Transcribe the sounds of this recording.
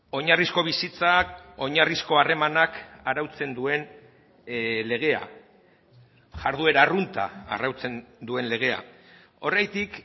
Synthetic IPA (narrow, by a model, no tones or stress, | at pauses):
o̞ɲarisko̞β̞isit͡sao̞ɲarisko̞are̞manakaɾawt͡se̞nd̪ue̞n | le̞ɣ̞e̞a̰ | ʝaɾð̞ue̞ɾarunt̪a̰ːrawt͡se̞nd̪ue̞nle̞ɣ̞e̞a̰ | o̞rajt̪ik